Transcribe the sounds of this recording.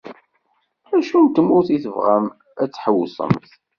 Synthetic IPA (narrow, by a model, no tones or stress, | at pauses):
æʃunt̪ːəmʊɾθiθəvʁæm | æt͡sːħəwsˤə̰mt̪